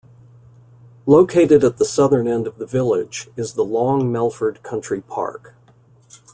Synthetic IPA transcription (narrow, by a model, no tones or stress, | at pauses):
loʊkʰeɪɾɨɾət̪̚ðəsʌðə̃˞nɛ̃ndʌvðɨvɪlˠɪd͡ʒɨzðəlɔ̃ŋmɛlˠfə˞d̚kʰʌ̃nt͡ʃɹ̥ipʰɑ̰ɹk